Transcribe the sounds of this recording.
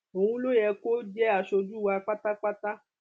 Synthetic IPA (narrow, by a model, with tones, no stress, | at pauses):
o˨wũ˦lo˦jɛ˧ko˦d͡ʒɛ˦a˨ʃo˧d͡ʒu˦˨wa˧k͡pa˦ta˦k͡pa˦ta˦